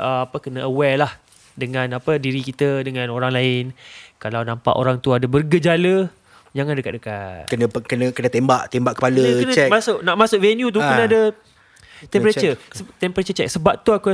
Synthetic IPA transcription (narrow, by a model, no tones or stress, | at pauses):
ʔəapəkənəəwɛlah | dəŋãnapədiɾikit̪ədəŋãnoɾaŋlaɪnkalawnãmpa̰ʔo̰ɾaŋt̪uadəbərɡəd͡ʒalə | d͡ʒaŋandəkat̪̚dəkatkənəkənəkənat̪embaʔt̪embaʔkːə̥paləkənaɛmasʊʔnaʔmasʊʔvɛnjut̪̬ukənaadə | t̪ɛ̃mpəɾat͡ʃəsət̪ɛmpəɾat͡ʃət͡ʃɛk̚səbap̚t̪uaku